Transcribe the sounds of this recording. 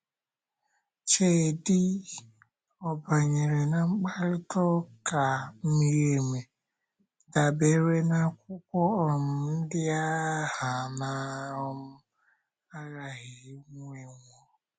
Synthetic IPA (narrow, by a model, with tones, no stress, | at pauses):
t͡ʃe˨dɪ˦ | ɔ˨ba˨ɲe˨ɾe˨na˨ŋ͡m̩˦k͡pa˦ɾɪ˦tɔ˦ka˨m̩˦mi˨ɾe˨me˨ | da˨be˨ɾe˦na˨kʷʊ˦kʷɔ˦ɔ˨m̩˨n̩˦dɪ˦a˦ha˨na˨ɔ˦m̩˦ | a˦ɣa˨ɣɪ˨ɪ˦ŋu˦e˨ŋʷɔ˦